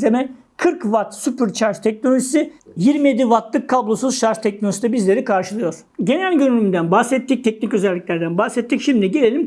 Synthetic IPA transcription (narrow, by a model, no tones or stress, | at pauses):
zemɛ | kʰɯɾkvat̪sypyɾt͡ʃʰaɾʃt̪ʰɛc̚nolʲo̞ʒisijiɾmije̞d̪ivat̪lˠɯkʰːablˠo̞suzʃaɾʒt̪ʰɛc̚nolʲosid̪ɛbizlʲe̞ɾikʰaɾʃɯlˠɯjo̞ɾ̥ | ɟe̞nælʲɟøɾylʲymd̪ænbahsɛt̪ʰːic̚t̪ʰɛc̚nicø̞zælʲːicʲlʲæɾd̪ænbahsɛt̪ʰːicʃimd̪iɟe̞lʲelʲim